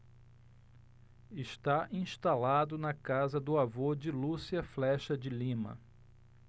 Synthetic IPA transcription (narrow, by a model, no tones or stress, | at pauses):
ɪʃt̪aʔĩʃt̪alad̪ʊnɐkazɐd̪ʊavod͡ʒɪlusiɐflɛʃɐd͡ʒɪlĩmɐ̰